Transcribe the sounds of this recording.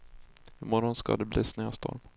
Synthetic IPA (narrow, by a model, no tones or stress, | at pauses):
ɪmɔɾɔnska̰d̪ɛbliːsnøːst̪ʰɔ̰ɾm